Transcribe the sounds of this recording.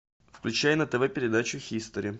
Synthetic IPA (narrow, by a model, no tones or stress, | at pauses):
fklʲʉt͡ɕæjənət̪ɛvɛpʲɪɾʲɪd̪at͡ɕʊxʲist̪əɾʲɪ